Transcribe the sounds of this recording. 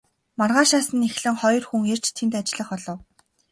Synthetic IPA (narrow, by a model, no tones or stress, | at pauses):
marʁaːʃaːsə̆nexɮɘ̆ŋχɔjɞ̆rxuŋer̥t͡ɕt̪ʰemt̪at͡ɕɪɮə̆χɔɮɞ̆w